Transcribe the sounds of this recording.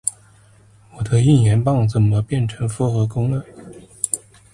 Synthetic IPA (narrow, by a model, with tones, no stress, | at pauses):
wɔ˨˩d̪ə˦i˥˩njɛ˧˥npɑ˥˧ŋt͡sə˨˩nmə˦pjɛ˥˩nʈ͡ʂʰɤ˧˥ŋfɔ˥xɤ˧˥kʊ˥ŋə˥˩